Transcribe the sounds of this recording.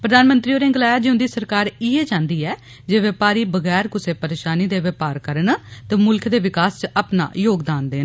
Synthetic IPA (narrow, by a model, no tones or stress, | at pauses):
pɾəd̪aːnmə̃nt̪ɾiːoːɾẽŋɡlaːjaːd͡ʒɪõnd̪iːsəɾkaːɾɪeːd͡ʒãːnd̪iːɛː | d͡ʒeːʋəpaːɾiːbəɡɛːɾkʊseːpəɾeːʃaːniːd̪eːʋəpaːɾkəɾənt̪ɛːmʊlkʰd̪eːʋɪkaːst͡ʃapna̰ːjoːɡd̪aːnd̪eː